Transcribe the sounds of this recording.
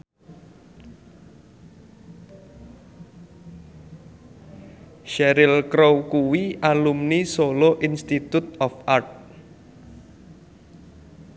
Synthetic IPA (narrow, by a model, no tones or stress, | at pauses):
ʃɛɾɪlkɾowkuwiʔalumnisoloʔinst̪it̪ut̪̚ɔfʔart̪̚